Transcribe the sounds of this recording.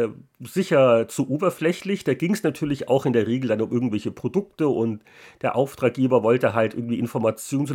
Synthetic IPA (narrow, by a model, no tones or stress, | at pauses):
zɪçɐt͡suʔoːbɐflɛçlɪçd̥aːɡɪŋsnatʰyːɐlɪça̰ʊxɪndeːɐʁ̞eːɡl̩danʊmʔɪɐɡŋ̩tv̥ɛlçəpʁ̥odʊktəʔʊnt | d̥eːɐʔaʊftʁ̥aːk̚ɡ̥eːbɐvɔltəɦaltʔɪ̰ɐɡŋ̩tv̥iːɪnfɔɐmat͡sjoːnt͡s